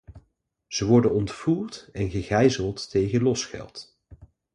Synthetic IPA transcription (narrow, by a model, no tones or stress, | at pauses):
z̥əʋɔɹdənɔntfuːɹtɛnχəχɛjzəlˠtːejχənlɔsχɛ̰lˠt